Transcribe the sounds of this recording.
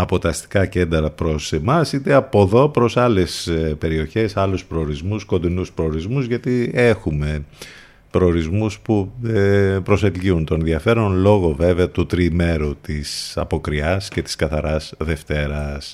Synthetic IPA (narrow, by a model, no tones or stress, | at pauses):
ɐpo̞t̪ɐːst̪i̥kɐce̞nd̪ɾɐpɾo̞semɐsit̪e̞ɐpo̞ðo̞pɾo̞sɐle̞sepe̞ɾio̞çe̞sɐluspɾo̞ːɾizmusko̞nd̪inuspɾo̞ːɾizmuzʝɐt̪ie̞xume̞ | pɾo̞ːɾizmuspu | pɾo̞se̞lʝiunt̪o̞ne̞nðiɐfe̞ɾo̞nlo̞ɣo̞ve̞veɐt̪ut̪ɾime̞ɾut̪isɐ̰po̞kɾiɐsce̞t̪i̥skɐθɐɾɐsðe̞ft̪e̞ɾɐs